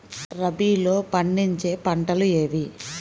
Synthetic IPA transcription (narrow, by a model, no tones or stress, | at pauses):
ɾɐbiːlo̞ːpɐɳɖiɲt͡ʃe̞ːpɐɳʈɐlueːʋi